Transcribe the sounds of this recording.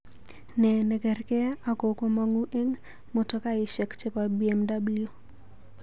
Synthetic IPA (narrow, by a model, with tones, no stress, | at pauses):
nɛ˨nɛ˨ɡɛ˨rkɛ˦a˦ko˨ko˦ma˦ŋu˦ʔe˦ŋ | mɔ˨tɔ˦ka˦ɪ˨ʃɛ˨kt͡ʃe˦pa˨bi˦ɛ˦mda˦blju˨